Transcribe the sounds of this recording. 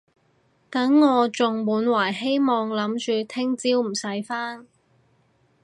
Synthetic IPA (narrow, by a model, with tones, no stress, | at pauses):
t̪ɐ˨˥ŋːɔː˨˧t͡sʊ˨ŋmuː˨˥nwaː˨˩jɦe˥jmɔː˨ŋlɐ˨˥mt͡ʃyː˨˧t̪ʰɪ˥ŋt͡siː˥wm̩˨˩sɐ˨˥jfaː˥n